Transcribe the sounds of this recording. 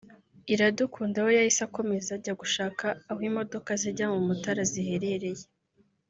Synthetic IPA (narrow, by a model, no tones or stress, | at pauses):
iɾadukʰuːndawo̞jahisako̞me̞zaɟaɡuʃaːkaːhwiːmo̞do̞kaziɟamumutaɾazihe̞ɾe̞ɾe̞je